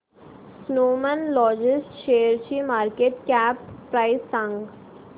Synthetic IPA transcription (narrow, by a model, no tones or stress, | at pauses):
snoːmənlɔːd͡ʑɪsʈʃejəɾt͡ɕiːmaːɾkeːʈkæːpːɾajsãŋɡ